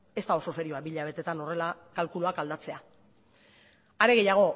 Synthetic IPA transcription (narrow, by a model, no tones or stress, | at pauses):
e̞st̪aoso̞se̞ɾioabiʎaβ̞e̞t̪e̞t̪ano̞re̞lakalkuloakald̪at͡se̞a | aɾe̞ɣ̞e̞jaɣ̞o̞